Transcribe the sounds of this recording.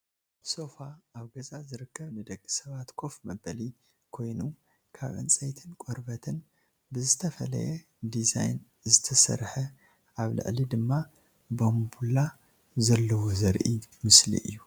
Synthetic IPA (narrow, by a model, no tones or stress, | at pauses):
so̞faːβɡɐzazɨɾɨkʰːɐβnɨd̪ɐkʼːi̥sɐβat̪kʰo̞fmɐbɐli | kʰo̞jnu | kʰa̰βʕɨ̰nt͡sʼɐjt̪ʰɨnkʼoɾbɐt̪ʰɨn | bɨzɨt̪ʰɐfɐlɐ̰jɛ | d̪iza̰jn | zɨt̪ʰɐsɐ̰ɾħɐ | ʔaβlɨ̰ʕlid̪ɨmːa | bombula | zɐlːɐwozɐɾʔimɨslḭʔɨ̰jːu